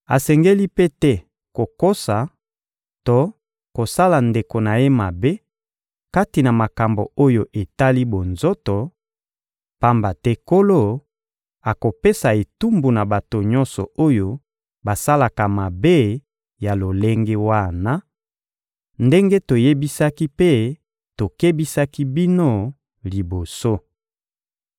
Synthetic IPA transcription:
a˨sɛ˨ŋɡe˦li˦pe˦tɛ˦ | ko˨ko˦sa˨ | to˦ | ko˨sa˦la˨nde˨ko˨na˨je˦ma˨be˦ | ka˦ti˨na˨ma˨ka˨mbo˨o˦jo˨ʔe˨ta˦li˦bo˨nzo˦to˨ | pa˦mba˨tɛ˦ko˦lo˦ | a˨ko˨pe˦sa˨e˨tu˦mbu˨na˨ba˨to˨ɲɔ˦nsɔ̰˨o˦jo˦ | ba˨sa˦la˨ka˨ma˨be˦ | ja˨lo˨le˦ŋɡe˦wa˦˨na˦ | nde˦ŋɡe˦to˨je˦bi˦sa˦ki˦pe˦ | to˨ke˦bi˦sa˦ki˦bi˦no˦ | li˨bo˨so˦

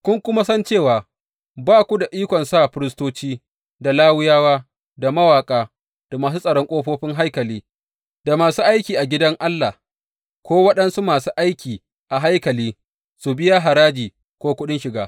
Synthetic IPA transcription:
kʷʊ˦ŋkʷʊ˦ma˦sɐ˦nt͡ʃeː˦˨waː˨ | baː˦kʷu˦da˨ʔiː˦kʷɔ˨nsa˦˨ɸɪ˦ɾɪ˦stoː˦t͡ʃiː˦ | da˨laː˦wʊ˦jaː˦waː˦ | da˨mɐ˦waː˨kʼaː˦ | d̥a˨maː˨s̬u˦sʼɐ˨ɽɔ˦ŋkʷʼoː˦ɸoː˦ɸɪ˦ŋɦa˦jkɐ˨liː˦ | da˨maː˨suː˦ʔa˦jkʲiː˨ʔa˨ɡʲɪ˦dɐ˦ŋʔa˦lːa˨ | kʷoː˦wɐ˦ɗɐ˦nsu˦maː˨suː˦ʔa˦jkʲiː˨ | ʔa˨ɦa˦jkɐ˨liː˦ | su˨bɪ˦ja˦ɦa˨ɾaː˦d͡ʒiː˨ | kʷoː˦kʷʊ˦ɗɪ˦nʃɪ˨ɡaː˦

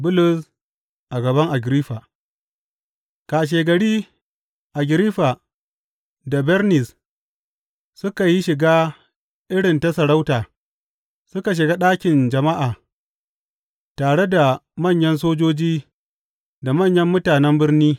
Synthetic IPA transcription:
bʊ˦lʊ˨s | ʔa˨ɡɐ˨bɐ˦ŋʔa˨ɡɪ˨ɾiː˦ɸa˨ | kaː˨ʃ̬eː˨ɡɐ˨ɽiː˦ | ʔa˨ɡʲɪ˨ɾiː˦ɸa˨ | da˨bɛ˦ɾnɪ˨s | sʊ˦ka˨ji˦ʃɪ˨ɡaː˦ | ʔɪ˦ɽɪ˨nta˦sɐ˨ɽa˦wtaː˨ | sʊ˦ka˨ʃ̬ɪ˨ɡa˦ɗaː˦kʲɪ˨nd͡ʒɐ˨ma˦ʔaː˨ | taː˨ɽe˦da˨mɐ˦˨ɲjɐ˦ns̬oː˦d͡ʒoː˦d͡ʒiː˦ | da˨mɐ˦˨ɲjɐ˦mːʊ˦taː˨nɛ˦mbɪ˦rniː˦

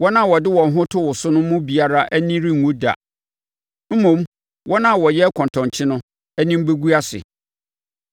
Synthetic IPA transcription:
wɔ˦nã˦˨wɔ˨dɪ˦wɔ̃˨n˨ɦʊ̃˦tʰʊ˦wʊ˨sʊ˦nʊ̃˦mʊ̃˦bi˨a˨ɾa˦ʔæ˦nĩ˦ɾĩ˦ŋ̩˨ũ˦da̰˨ | m̩˦mũ˨m | wʔɔ˦nã˦˨wɔ˨jɛ˦kʰɔ̃˨ntʰɔ̃˨ɲt͡ɕʰɪ˦nʊ̃˦ | æ˦nĩ˦m̩˦be˦ɡu˦a˦sɪ̰˨

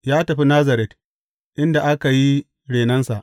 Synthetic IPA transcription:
jaː˦tɐ˨ɸi˦naː˦zɐ˨ɾɛ˨t | ʔɪ˦nda˨ʔa˦ka˨ji˦ | ɽeː˨nɐ˦nsa˨ʔ

